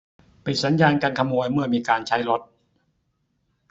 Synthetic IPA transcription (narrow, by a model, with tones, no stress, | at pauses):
pi˨˩t̪̚sa˩˦njaː˧nkaː˧nkʰa˧muː˧əjmɯ˥˩ɐmiː˧kaː˧nt͡ɕʰa˦˥jlo˦˥t̪̚